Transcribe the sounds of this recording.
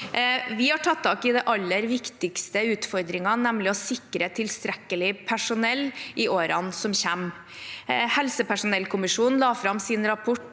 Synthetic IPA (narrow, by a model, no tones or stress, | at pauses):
ʋɪhɑʈʰɑt̪ʰːɑːkɪd̪ɛʔɑlːəɾʋɪkt̪ɪkst̪əʉːt̪fɔɾd̪ɾɪŋɑnɛmlɪɔsɪkɾət̪ʰɪlst̪ɾɛkːəlɪpʰæʂʊnɛlːʔɪʔoːɾɑnsɔmçæm | hɛlsəpʰæʂʊnɛlkʰʊmɪʂuːnnlɑːfɾɑmsɪnɾɑpʰɔʈː